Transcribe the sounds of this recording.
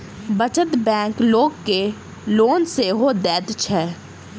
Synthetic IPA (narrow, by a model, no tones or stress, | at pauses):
bət͡ʃət̪bɛ̃ːŋkloːɡke | loːnseɦod̪ɛːd̪t͡ʃʰɛː